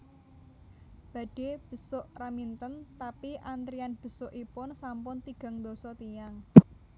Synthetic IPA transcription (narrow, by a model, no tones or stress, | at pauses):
b̥ä̤ɖ̥e̤b̥ə̤sʊʔramint̪ənt̪apiʔand̪ɾianb̥ə̤sʊʔipʊnsampʊnt̪iɡ̥ä̤ŋd̪osɔt̪ijaŋ